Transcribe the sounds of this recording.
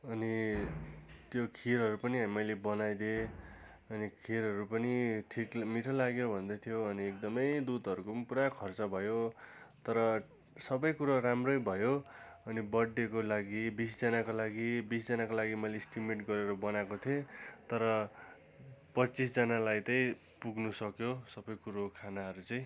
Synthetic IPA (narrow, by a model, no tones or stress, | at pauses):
ʌni | t̪jokʰiɾɦʌɾupʌniʌmʌjlebʌnajd̪e | ʌnikʰiɾɦʌɾupʌniʈʰikmiʈʰʌlaɡjobʱʌnd̪ʌt̪ʰijoʌniek̚d̪ʌmʌjd̪ud̪ʱʌɾukopuɾakʰʌrt͡sʌbʱʌjot̪ʌɾʌ | sʌbʌjkuɾʌɾamrojbʱʌjoʌnibʌɽːekolaɡibisd͡zʌnakolaɡibisd͡zʌnakolaɡimʌlesʈimeʈɡʌɾeɾʌbʌnakot̪ʰiet̪ʌɾʌ | pʌt͡sis̬d͡zʌnalajt̪ʌĩ | puɡnusʌkjosʌbʌjkuɾokʰanaɦʌɾut͡sʌĩ